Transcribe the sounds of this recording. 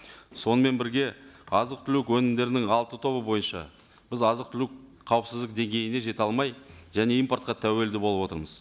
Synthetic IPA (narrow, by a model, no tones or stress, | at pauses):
so̞nəme̞nbɪɾɡʲe̞ɑzəq̚t̪ʰʏlukwɵnɪmd̪e̞ɾɪnɪŋɑlˠt̪ət̪ʰo̞βəbo̞jənʃɑ̰ | b̥ɪzɑzəq̚t̪ʰʏlk | qʰɑwəpsɪzd̪ɪk̚d̪e̞ŋɡʲe̞jɪne̞ʒe̞t̪ɑlˠmɑjʒæne̞ijmpo̞rt̪̚qɑt̪ʰæwe̞ld̪ɪbo̞lˠəpwo̞t̪əɾməz